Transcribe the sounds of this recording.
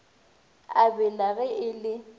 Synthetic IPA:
abɛlaɣɛʔɪlɪ

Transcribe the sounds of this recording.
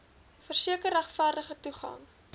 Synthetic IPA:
fərsiəkəræχfærdəχətuχɐ̰ŋ

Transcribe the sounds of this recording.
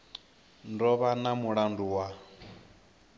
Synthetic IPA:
ndɔβanamuɺanduwa

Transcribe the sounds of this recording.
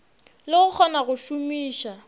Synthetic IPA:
lɪɣʊk͡xʰɔnaɣʊʃumiːʃa

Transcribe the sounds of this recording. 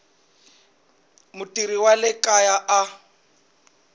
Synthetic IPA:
mʊtʼiɾiwalɪkʼajaʔa

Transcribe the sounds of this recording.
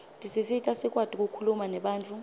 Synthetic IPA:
tʼisisitʼasik̬ʼwatʼik̬ʼukʰulumanɛɓaːnt͡fʰʼu

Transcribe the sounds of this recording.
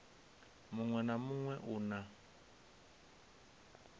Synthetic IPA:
muŋwɛnamuŋwɛʔuna

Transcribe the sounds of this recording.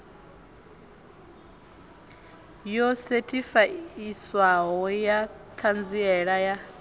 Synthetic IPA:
jɔsɛtʰʼifaiswaɦɔjakʰand͡ziɛɺaja

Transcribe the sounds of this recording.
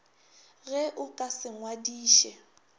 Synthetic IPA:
ɣɛʔʊkʼasɪŋwadiːʃɛ

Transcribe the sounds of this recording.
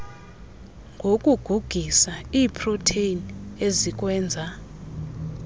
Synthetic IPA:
ŋɡʱokʼuɡ̥ʱuɡ̥ʱisaiːpʰrotʰeinezik̬ʼwɛːnd͡zʱa

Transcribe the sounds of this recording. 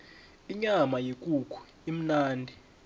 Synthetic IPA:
iɲamajikʼukʰu̥ | im̩naːndʱi

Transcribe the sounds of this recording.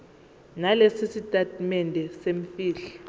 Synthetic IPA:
nalesisitʼatʼmɛndʱɛseɱfiːɬɛ

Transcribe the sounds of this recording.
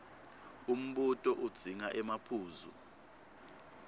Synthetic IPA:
um̩ɓutʼɔʔud̥z̥ʱiŋaʔɛmapʰuːzṵ

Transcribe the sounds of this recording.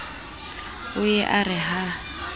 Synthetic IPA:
ʊjɛʔarɪɦa

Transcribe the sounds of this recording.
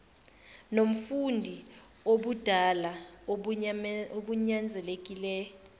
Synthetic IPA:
nom̩fundʱi | oɓud̥ʱala | oɓuɲand͡zʱɛlek̬ʼilɛ

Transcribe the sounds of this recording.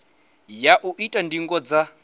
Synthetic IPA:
jaʔuʔitʼandiŋɡɔd͡za

